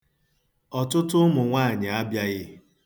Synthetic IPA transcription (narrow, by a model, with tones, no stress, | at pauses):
ɔ˨tʊ˦tʊ˦mʊ˨ŋʷaː˦˨ɲɪ˨a˦bja˦ɣɪ˦